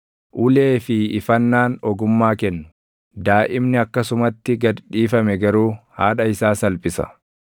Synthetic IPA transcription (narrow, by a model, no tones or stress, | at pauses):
ʔʊle̞ːfɪːfɐnːaːnɔɡʊmːaːkɛnːʊ̥ | d̪aːʔɪmnɪɐkːɐsʊmɐt̪ːɪɡɐd̪ᶑiːfɐmɛɡɐɾuːha̰ːᶑɐɪsaːsɐlpʼɪsɐ̰